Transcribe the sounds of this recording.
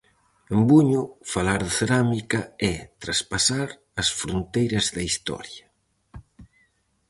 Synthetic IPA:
embuɲʊfalaɾðɪθeɾamikɐɛt̪ɾaspasaɾ | ɐsfɾont̪ejɾɐzðɐist̪ɔ̰ɾjɐ

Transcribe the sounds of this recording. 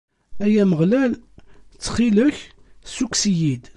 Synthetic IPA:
æjæməʁlælt͡sːχiləçsuksijid̪

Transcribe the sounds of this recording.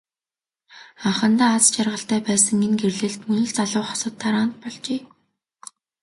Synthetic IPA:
aχə̆nt̪aːat͡st͡ɕarʁə̆ɬt̪æːpæːsə̆ŋenɡerɮɘ̆ɬt̪mɵnɵ̆ɮt͡saɮʊːχɔ̥sə̆t̪ʰːaɾaːnt̪̚pɔɮt͡ɕeː

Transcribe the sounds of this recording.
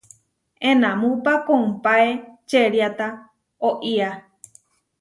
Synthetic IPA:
ẽnãmũpakoũmpaet͡ʃeɾjat̪a | oʔia

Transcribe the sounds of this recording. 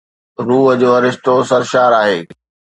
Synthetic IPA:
ɾuːɦəd͡ʑoːɐɾɪʃt̪osɐɾʃaːɾaːɦeː

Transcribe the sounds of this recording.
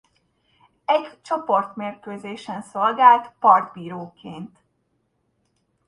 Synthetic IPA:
ɛɟt͡ʃo̞po̞rt̪meːrkøːzeːʃɛnso̞lɡaːlt̪pɒrd̪biːɾoːkeːnt̪

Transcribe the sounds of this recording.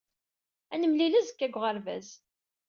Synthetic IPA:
ænəmlilæzəkːæɡʷʁəɾvæ̰z

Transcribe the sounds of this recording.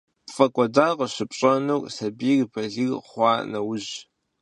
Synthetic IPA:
pfʼɐkʷʼɔdaːʁəɕɪpʼɕʼɐnowkʼsɐbiːɣbʰɐɮɨɣχʷɑːnɐwʊʑ

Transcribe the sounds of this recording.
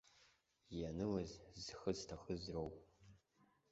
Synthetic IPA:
janɨwazzxɨztʰaxəzrowʼ

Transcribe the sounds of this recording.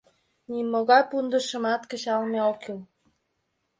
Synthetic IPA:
nimoɣɑjpund̪əʃə̆mɑt̪kə̆t͡ɕɑlmeokyl

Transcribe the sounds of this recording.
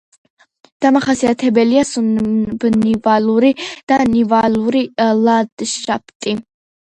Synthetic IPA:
d̪̥amaχasiat̪ʰɛbɛliasunbnivaluɾid̪̥anivaluɾilad̪̥ʃap̚ʰt̪ʼi

